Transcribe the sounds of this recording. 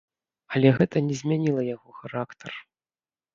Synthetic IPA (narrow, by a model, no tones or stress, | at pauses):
ɐlʲɛɣɛt̪ɐnʲɛzʲmʲanʲilˠɐjaɣɔxaɾakt̪ʰɐr